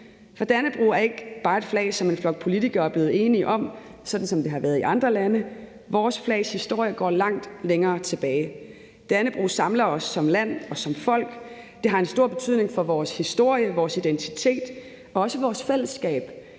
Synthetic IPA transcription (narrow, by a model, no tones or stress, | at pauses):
fɒ̽d̥ænəb̥ʁṵːæɐe̝ɡ̥b̥ɑ̈ːe̝d̥flɛ̰ːɪsɒ̽me̝nflɒ̽ɡ̥̚pʰo̝lit͡sʰiɡ̥ɐːæb̥le̝ːð̩ˠe̝ːniʔɒ̽m | sɒ̽d̥n̩sɒ̽md̥e̝ɦɑ̈ʋæːɐð̞ˠiʔɑ̈nd̥ʁɐlænə | ʋɒːsflɛ̰ːɪshisd̥o̝ɐ̰jəɡ̥ɒ̰ːlɑ̈ŋ̰d̥leŋɐːt͡sʰe̝b̥ɛːɪ | d̥ænəb̥ʁṵːsɑ̈mlɐɒ̽sːɒ̽mlæn̰ɒ̽sɒ̽mfɒ̽l̰ɡ̥ | d̥e̝ɦɑ̈e̝nsd̥o̝ɐ̰b̥e̝t͡sʰy̰ð̞̰ˠne̝ŋfɒ̽ʋɒːshisd̥o̝ɐ̰jəʋɒːsid̥ent͡sʰit͡sʰe̝̰ːd̥ | ɒ̽ɒ̽səʋɒːsfel̰əsːɡ̥ɛ̰ːb̥